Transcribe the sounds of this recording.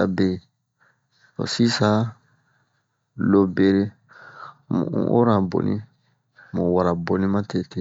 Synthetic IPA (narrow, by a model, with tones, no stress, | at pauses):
a̰˨be˨ | o̰˨si˦sa˨ | lo˦be˦ɾe˦˨ | ʔo̰˦ɾa˨bo̰˨nḭ̃˦ | mo˨wa˨ɾa˨bo˨nĩ˦ma˦te˦te˦